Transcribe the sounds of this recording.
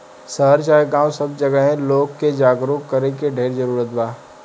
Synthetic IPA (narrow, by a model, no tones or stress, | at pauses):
səəɾt͡ʃaːeɡãːwsəb̚d͡ʒɐɡəɦɛ̃loːɡked͡ʒaːɡɾukkɐɾẽkeɖʱeːɾd͡ʒəɾuːɾət̪baː